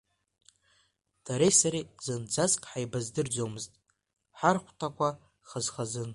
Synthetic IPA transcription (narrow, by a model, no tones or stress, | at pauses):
d̥aɾejsaɾizɨnd͡zaskʼħajbazdɨrd͡zomɨztʼ | ħarχʷtʰakʷʰa | χəzχazɨn